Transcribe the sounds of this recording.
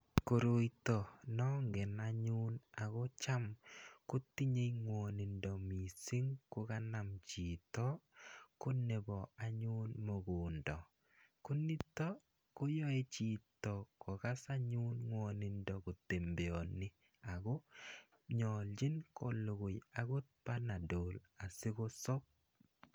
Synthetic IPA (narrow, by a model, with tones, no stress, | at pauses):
ko˨ɾo˨jtɔ˨nɔ˦ŋɡɛ˨na˦ɲu˦na˨ɣɔ˦t͡ʃa˦mku˦ti˦ɲe˦jŋwɔni˨ndɔ˨mi˨si˦ŋkʊ˦ka˦na˨mt͡ʃi˨tɔ˦ko˦ne˨bɔ˨a˨ɲu˦nmo˨ɡu˨ndɔ˨ | ku˦ni˦tɔ˦ | ko˦jɔ˦e˦t͡ʃi˨tɔ˨kɔ˨ka˦sa˦ɲu˦nŋwɔ˨nɪ˨ndɔ˨ko˨te˨mbe˨ɔ˨nɪ˦ | a˨ɡɔ˦ | ɲɔ˨ld͡ʒɪ˦nkʰo˨lu˨ɡʊ˨ja˨ɣo˦t̚pa˦na˨doː˨la˨sɪ˦ɣo˦sɔ˦p̚